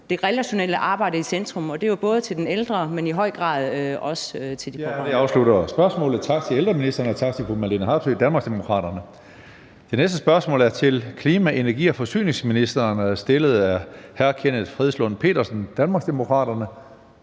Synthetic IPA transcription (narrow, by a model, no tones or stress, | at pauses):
d̥e̝ʁɛlæɕo̝neləʔɑ̈ːb̥ɑ̈ɪ̰d̥əisend̥ʁɔ̽mɒ̽d̥e̝job̥ɔ̽ːð̞̩ˠət͡sʰed̥eneld̥ʁɐmeniɦɒ̽ɪ̰ɡ̥ʁɑ̰̈ːð̞ˠɒ̽søt͡sʰe̝ld̥ideɑ̈ʊslud̥ɐsb̥ɶɐsmɔ̰̽ːlð̩ˠt͡sʰɑ̈ɡ̥t͡sʰe̝eld̥ʁɐminisd̥ɐnəɒt͡sʰɑ̈ɡ̥̚t͡sʰekʰumælinəɦɑ̈b̥sød̥ænmɑ̈ːɡsd̥emo̝kʰʁɑ̰̈ːd̥ɐnə | d̥e̝nesd̥əsb̥ɶɐsmɔ̰ːlæɐt͡sʰe̝lkʰliːmæʔe̝næɐɡ̥ḭːɒ̽fɒ̽sy̰ːne̝ŋsminisd̥ɐːnsd̥e̝ləð̞̩ˠæɐhæɐkʰenəfʁɛðˠslɔ̽n̩pʰe̝̰ːɾɐsn̩d̥ænmɑ̈ːɡsd̥e̝mo̝kʰʁɑ̰̈ːd̥ɐnə